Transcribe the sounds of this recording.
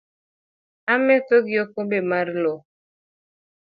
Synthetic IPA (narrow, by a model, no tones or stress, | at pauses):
amɛtoɡjokobemaɾlo